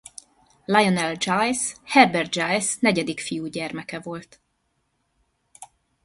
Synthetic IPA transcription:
lɑjonɛld͡ʒɑjshɛbɛrd̪̚d͡ʒajsnɛɟɛd̪ikfijuːɟɛrmɛkɛvo̞lt̪

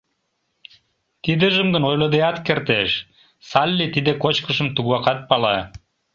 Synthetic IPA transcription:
t̪id̪əʒəmɡənojləd̪ejɑt̪kert̪eʃ | sɑlʲːit̪id̪ekot͡ɕkəʃə̆mt̪uɣɑqɑt̪̚pɑlɑ

